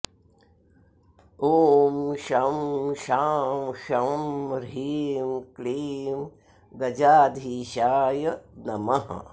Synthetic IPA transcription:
oːmʃɐmʃaːmʃɐmɾiːmkliːm | ɡɐd͡ʒaːd̪ʱiːʃaːjɐnɐmɐɦ

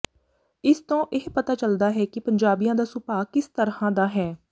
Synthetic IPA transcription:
ɪst̪õːʔeɦpət̪aːt͡ʃəld̪aːɦɛːkɪpəɲd͡ʒaːbijãːd̪aːsʊpaːkɪst̪əɾhãːd̪aːɦɛː

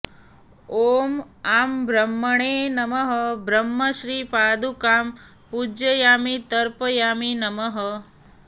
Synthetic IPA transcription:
oːm | aːmbɾəmːəɳenɐməɦəbɾəmːəʃɾiːpaːd̪ukaːm | pud͡ʒjəjaːmit̪əɾpəjaːminɐməɦə

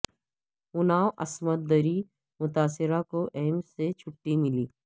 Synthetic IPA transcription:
ʊnaːwʔɐsmət̪̚d̪əɾi | mʊt̪aːsɪɾakoʔɛːmset͡ʃʰʊʈːimɪliː

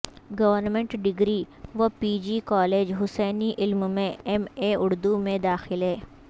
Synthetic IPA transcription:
ɡɐʋəɾnmẽɳʈɖɪɡɾi | ʋopiːd͡ʒikɔːleːd͡ʒɦʊsɛːniʔɪlmmẽɛmeʊɽd̪umẽd̪aːxɪlɦɛː

